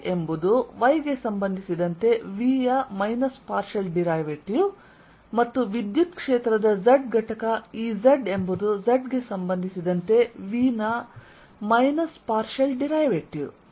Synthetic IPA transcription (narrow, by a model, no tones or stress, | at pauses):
embud̪uʋɐjɡe̞sɐmbɐnd̪ʱisid̪ɐnt̪e̞ʋiːjɐmɐjnɐspaːɾʃɐlɖiɾɐjʋeʈju | mɐt̪ːuʋid̪jut̪kʂeːt̪ɾɐd̪ɐd͡ʒɐɖɡʱɐʈɐkɐiːzɐɖe̞mbud̪uzɐɖɡe̞sɐmbɐnd̪ʱisid̪ɐnt̪e̞ʋiːnɐ | mɐjnɐspaːɾʃɐlɖiɾɐjʋeʈjṵ